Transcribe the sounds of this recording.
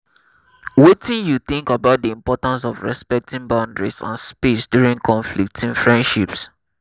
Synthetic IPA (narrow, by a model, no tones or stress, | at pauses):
wetĩnjuθĩŋkabaʊt̚diĩmpɔtãns̬ɔvɹɛ̰spɛk̚tĩŋbãʊ̃ndɹḭsã̰nspisdjuɹĩŋkʰɔ̃ɱflik̚tʰĩnfɹɛ̃ndʃips